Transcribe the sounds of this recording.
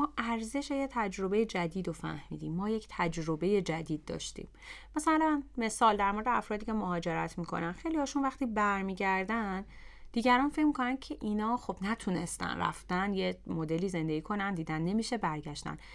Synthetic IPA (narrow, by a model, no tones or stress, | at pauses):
mɒːʔæɾze̞ʃe̞jet̪ʰæd͡ʒɾo̞be̞jed͡ʒæd̪iːd̪ofæ̰hmḭːd̪iːmːɒːjecʰt̪ʰæd͡ʒɾo̞be̞je̞d͡ʒæd̪iːd̪̚ːɒ̰ːʃt̪ḭːm | mæsælænme̞sɒːld̪æɾmo̞ɾed̪eæfɾɒːd̪iːcʰe̞moɦɒːd͡ʒe̞ɾæt̪ʰmiːkʰo̞̰nænxe̞jliɒːʃunvæxt̪iːbæɾmiːɟæɾd̪ænn | d̪iːɟæɾɒːnfe̞cmikʰo̞næn̥̚cʰeʔiːnɒːxobnæt̪ʰune̞st̪æ̰nræ̰ft̪ænjemo̞d̪e̞liːze̞nd̪e̞ɟiːkʰo̞nænd̪iːd̪ænːe̞miːʃe̞bæɾɟæʃt̪æ̰n